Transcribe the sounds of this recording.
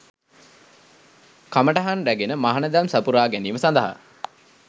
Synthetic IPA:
kaməʈaɦanɾæɡenəmaɦanəd̪amsapuɾaːɡæniːməsand̪əɦa̰

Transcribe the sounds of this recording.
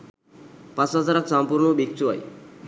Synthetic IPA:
pasasaɾaksampuɾɳobik̚t͡ʃua̰j

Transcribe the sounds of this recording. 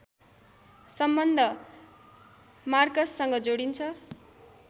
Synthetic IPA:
sʌmbʌnd̪ʱʌ | markʌsːʌŋɡʌd͡zoɽint͡sʰʌ

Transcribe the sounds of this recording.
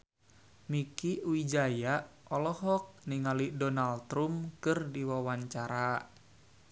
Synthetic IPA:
mikiuid͡ʒajaʔʔɔlɔɦɔk̚niŋalidɔnalt̪ɾumkɨrdiwawaɲt͡ʃaɾa

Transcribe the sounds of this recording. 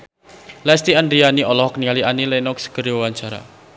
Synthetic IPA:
lɛst̪iandɾianiɔlɔhɔknialianilɛnɔksə̥ɡ̥əɾiwawaɲt͡ʃaɾa̰

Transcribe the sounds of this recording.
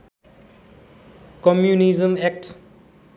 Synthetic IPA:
kɔmjunizəmɛk̚ʈ

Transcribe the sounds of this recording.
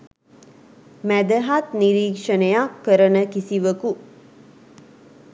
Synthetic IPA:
mæd̪əɦat̪niɾiːkʂənəjakːəɾənəkisiʋəku

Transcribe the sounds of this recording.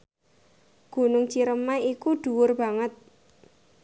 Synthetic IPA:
ɡ̥ṳnʊŋt͡ʃiɾəmaikuɖ̥uwʊrb̥a̤ŋət̪̚

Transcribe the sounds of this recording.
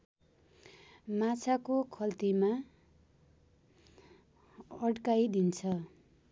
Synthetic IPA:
mat͡sʰakokʰʌlt̪ima | ʌɽkajd̪int͡sʰʌ

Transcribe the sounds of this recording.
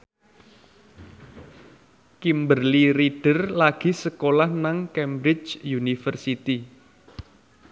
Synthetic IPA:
kimbərliɾiɖ̥ərlaɡ̥i̤səkolahnaŋkɛmbɾɪt͡ʃjunifərsit̪i

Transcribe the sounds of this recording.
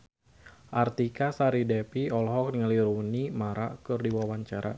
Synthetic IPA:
ʔart̪ikasaɾidepiɔlɦɔk̚niŋəliɾunimaɾakɨrdiwawaɲt͡ʃaɾa̰

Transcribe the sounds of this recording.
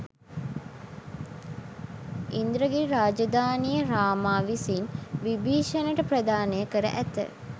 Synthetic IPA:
ind̪ɾəɡiɾaːd͡ʒɐd̪aːnijəɾaːmaːʋisinʋibiːʃənəʈəpɾɐd̪aːnəjəkəɾə̰ʔæt̪ə̰

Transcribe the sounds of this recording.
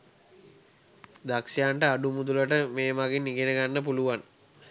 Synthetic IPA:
d̪akʃjaːɳʈəaɖumud̪uləʈəmeːmaɡinːiɡenəɡanːəpuluʋan

